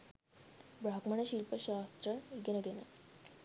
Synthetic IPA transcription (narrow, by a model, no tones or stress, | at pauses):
bɾakməɳeɕilpəɕast̪ɾəiɡeneɡene